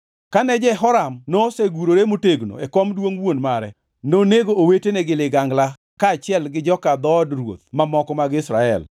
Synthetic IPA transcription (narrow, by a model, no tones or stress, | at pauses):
kanɛd͡ʒɛɦɔɾamnɔseɡuɾoɾemoteɡno̰ekɔmdwoŋwonmaɾɛ̰ | noneɡooweteneɡɪlɪɡaŋɡla | kaːt͡ʃɪɛlɡɪd͡ʒɔkad̪ɔdrwo̰t̪mamɔkɔmaɡɪsɾaɛ̰l